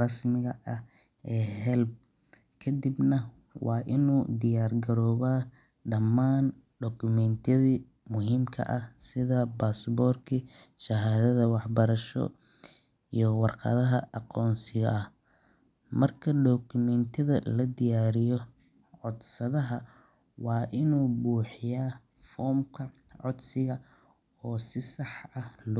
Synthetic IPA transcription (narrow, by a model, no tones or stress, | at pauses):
rɑsmɪɣɐʔɐh | ɛːhɛlb̚ | kʰɐd̪ɪbnɐ | wɑːʔɪnuːd̪ɪjaːrɡɐɾɔːβaː | ɖɐmːaːn | ɖɔkʰʊmɛnt̪ʰɛði | mʊhiːmkʰɐ̰ʔɐhsɪðɐbaːsbɔːrkʰi | ʃɐɦaːðɐðɐwɑħbɐɾɐʃɔ̰ | ijɞwɑrqɑ̰ðɐɦɐɑqɔːnsɪɣɐʔɐh | mɐrkʰɐɖɔkʰʊmɛnt̪ʰɐðɐlɐd̪ɪjaːɾɪjɔ | ʕɔd̪sɐðɐɦɐ | wɑːʔɪnuːbuːħɪjaː | fɔːmkʰɐ | ʕɔd̪sɪɣɐ | ɔːsɪsɑħɐhl